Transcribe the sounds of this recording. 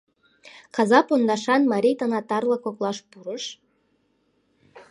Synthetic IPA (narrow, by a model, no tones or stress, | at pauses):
kɑzɑpond̪ɑʃɑnmɑɾʲijt̪ɤnɑt̪ɑrlɑkoklˠɑʃpuɾəʃ